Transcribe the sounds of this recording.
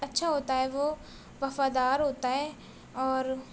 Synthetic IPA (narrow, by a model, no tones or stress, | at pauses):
ɐtːʃʰaɦoːt̪aɦɛʋo | ʋɐfaːd̪aːɾɦoːt̪aɦɛː | ɔːɾ